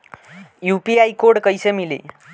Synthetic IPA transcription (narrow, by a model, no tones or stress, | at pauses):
jupiajkoɽkəjsemilḭː